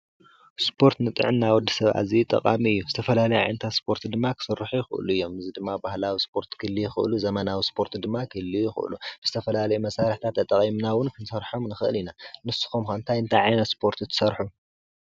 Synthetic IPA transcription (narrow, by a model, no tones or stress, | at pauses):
spʰo̞ɾt̪nɨt̪ʼɨ̰ʕɨnːawɔd̪ːɐ̥sɐβʔa̰zit̪ʼɐ̰qʼa̰miɨjːuzɨt̪ʰɐfɐlalɐjuʕa̰jnɐt̪ʰaspʰo̞ɾt̪ʰd̪ɨmːakʰɨ̥sɨrːɨħujɪxɨʔɨ̰luɨjːo̞mɨzid̪ɨmːabahlawispʰo̞ɾt̪kʰɨlːijɪxɨ̰ʔluzɐmɐnawispʰo̞ɾt̪d̪ɨmːakʰɨlːijɪxɨ̰ʔɨ̰lub̥ɨz̥ɨt̪ʰɐfɐlalɐjumɐsaɾɨħt̪ʰat̪ːɐt̪ʼɐχʼimnawʊnkʰɨnsɐɾħomnɨxɨʔɨlinanɨsːu̥xomxɐɨnt̪ʰajɨnt̪ʰajʕajnɐt̪spʰo̞ɾt̪ʰt̪ʰɨ̥sɐɾħu